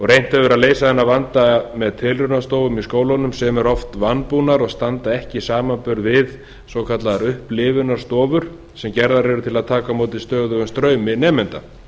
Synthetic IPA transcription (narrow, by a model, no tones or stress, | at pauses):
ɔɣrejn̥t̪ɛvʏɾaðleːjsaðɛnːavant̪amɛðt̪ʰɪlrʏnast̪oːwvʏmiskoːwlanʏmsɛmɛɾɔft̪vanːpunaɾɔɣst̪ant̪aɛhcɪsaːmanpʏɾðvɪð | sowkʰat̪laðaɾʏhplɪːvʏnaɾ̥st̪ɔːvʏɾ̥ | sɛmcɛɾðaɾɛɾʏt̪ʰɪlaðt̪ʰaːkamoːwt̪ɪst̪œːɣðʏɣʏmst̪ɾœːɥmɪnɛːmɪnt̪a̰